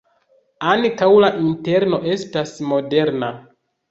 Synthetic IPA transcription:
ankawlaʔinte̞ɾno̞ʔe̞stasmo̞de̞ɾna

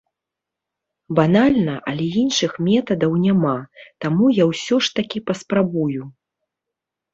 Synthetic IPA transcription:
banalʲnɐʔɐ̰lʲɛinʂɨxmʲɛt̪ɐd̪ɐwnʲamat̪amujawsʲɔʂt̪akʲipɐspɾabuju

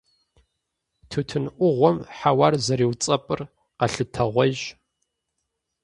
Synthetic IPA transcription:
tʰɨtʰɨnʔʷʊʁʷɔmħawarzɐɾiːwt͡sʼɐpʼɨr | qɐɬɨtʰɐʁʷɔʒ

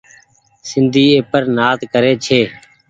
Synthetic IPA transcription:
sɪnd̪ʱiːeːpəɾnaːt̪kəɾeːt͡ʃʰeː

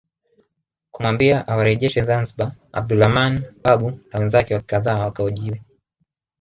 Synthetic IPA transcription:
kumwambiaʔawaɾɛʄɛʃɛzanziɓaa̰b̚dulhamanɓaɓunawɛnzakɛwakaðaːwakaɔʄiwɛ

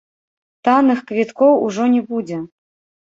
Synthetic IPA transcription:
t̪anɨxkvʲit̪kɔwuʐɔnʲɛbud͡zʲɛ

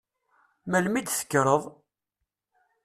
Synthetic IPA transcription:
mælmid̪θə̥kːɾˤəðˤ

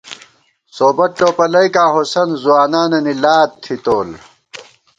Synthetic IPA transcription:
soːbɐʈoːpɐlɐjkaːɦosɐnzuwaːnaːnɐnilaːt̪ʰːit̪oːl

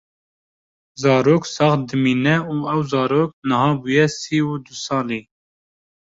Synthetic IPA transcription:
zɑːɾoːksɑːχd̪ɨmiːnɛuːɛwzɑːɾoːk̚nəɦɑːbujɛsiːwud̪usɑːleː

